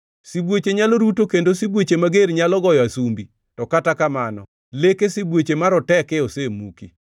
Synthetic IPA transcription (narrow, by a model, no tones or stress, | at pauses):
sibwet͡ʃeɲaloɾutokendosibwot͡ʃemaɡeɾɲalɔɡɔjɔasumbi | tɔkatakamanɔ̰ | lekesibwet͡ʃemaɾɔtɛkɛosemuki